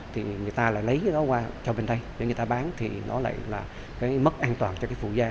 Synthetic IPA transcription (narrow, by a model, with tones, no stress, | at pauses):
t̪ʰi˨˩ŋɨ˨˩əjt̪aː˧la̰ː˧˨jlə˨˦jkaː˨˦jɗɔ˨˦kwaː˧t͡ɕɔ˧ɓe˧nɗə˧jzə˨˧˦ŋɨ˨˩t̪aː˧ɓaː˨˦nt̪ʰḭ˨˩nɔ˨˦la̰ː˧˨jlaː˨˩ | kaː˨˦jmə˦˥t̚ʔaː˧nt̪waː˨˩nt͡ɕɔ˧kaː˨˦jfṵ˧˩zaː˧